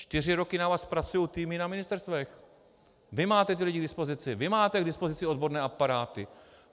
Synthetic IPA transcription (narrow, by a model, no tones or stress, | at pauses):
t͡ʃt̪ɪr̝ɪɾo̞kɪnavaːspɾat͡sujowt̪iːmɪnamɪnɪst̪ɛɾst̪vɛx | vɪmaːt̪ɛt̪ɪlɪɟɪɡdɪspo̞zɪt͡sɪvɪmaːt̪ɛɡdɪspo̞zɪt͡sɪod̪bo̞ɾnɛːʔapaɾaːt̪ɪ